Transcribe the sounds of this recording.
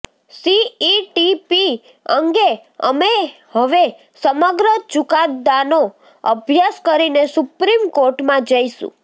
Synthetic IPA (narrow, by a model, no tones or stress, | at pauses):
siiʈipi | əŋɡeə̰me | həʋe | səməɡɾət͡ʃukat̪d̪ano | əbʱjaskəɾinesupɾimkoɾʈmãd͡ʒəisṵ̃